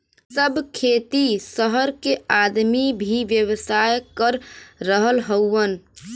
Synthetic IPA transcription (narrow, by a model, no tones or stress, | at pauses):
səbʱkʰet̪isəɦəɾkead̪mibʱiʋjəwəsajkəɾːəɦəlɦəwən